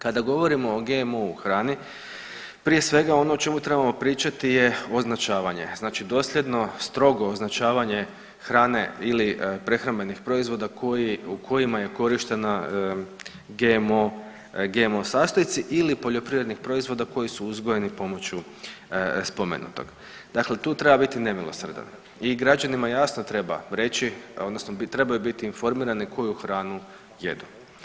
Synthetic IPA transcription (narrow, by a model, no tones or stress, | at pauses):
kad̪aɡo̞ʋo̞ɾimo̞ːɡe̞mouxɾaːni | pɾije̞sʋe̞ɡao̞noːt͡ʃe̞mut̪ɾe̞bamo̞pɾiːt͡ʃat̪ije̞o̞znat͡ʃaːʋaɲe̞̰znaːt͡ʃid̪o̞slʲe̞d̪no̞st̪ɾo̞ɡo̞ːznat͡ʃaːʋaɲe̞ | xɾaːne̞̰ilipɾe̞xɾanbe̞nixpɾo̞izʋo̞ːd̪akojiukʰo̞jimaje̞ko̞ɾiʃt̪e̞na | ɡemo | ɡe̞mosaːst̪ojet̪siʔilipo̞ʎo̞pɾivɾed̪nixpɾo̞izʋo̞d̪ako̞jisuuzɡoje̞nipo̞mo̞t͡ɕu | spo̞mḛnṵt̪o̞̰ɡ̥ | d̪̥aklet̪uːt̪ɾe̞babit̪ine̞milˠosr̩d̪a̰n | iɡɾad͡ʒanimajasnot̪ɾe̞ba̰ɾe̞t͡ɕiod̪no̞snot̪ɾe̞bajubit̪iːnfo̞ɾmiːɾanikʰo̞juxɾaːnu | je̞̰d̪u